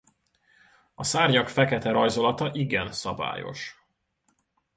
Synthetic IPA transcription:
ɒsaːrɲɒkfɛkɛt̪ɛɾɒjzo̞lɒt̪ɒʔiɡɛnsɒba̰ːjo̞̰ʃ

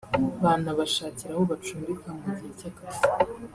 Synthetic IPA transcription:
βaːnaβaʃaːciɾahoβat͡ʃuːmbikamɡuɟicakazi̥

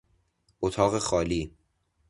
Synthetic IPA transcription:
ʔot̪ʰɒːɣexɒːliː

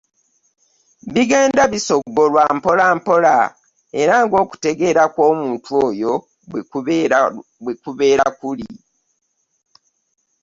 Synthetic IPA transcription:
βiɡeːndaβiso̞ɡo̞lwampo̞laːmpo̞la̰ | e̞ɾaŋɡo̞ːku̥te̞ɡe̞ɾakwo̞ːmuːntʰuoːjo | bwekuβe̞ːɾakuli

